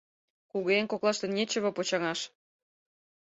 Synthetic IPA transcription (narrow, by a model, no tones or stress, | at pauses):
kuɣoeŋkoklˠɑʃt̪ə̆nnʲet͡ɕə̆βŏpot͡ɕɑŋɑʃ